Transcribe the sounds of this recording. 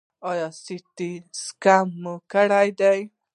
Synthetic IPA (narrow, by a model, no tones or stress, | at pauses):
ɔjɔsit̪iskamːukaɽajd̪ɛj